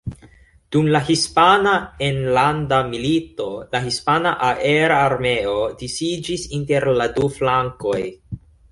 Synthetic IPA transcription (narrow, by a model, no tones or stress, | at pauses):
d̥umlaɦispanaenlandamilito̞laɦispanaʔaʔe̞ɾaːɾme̞o̞disid͡ʒisinte̞ɾladuflaŋko̞j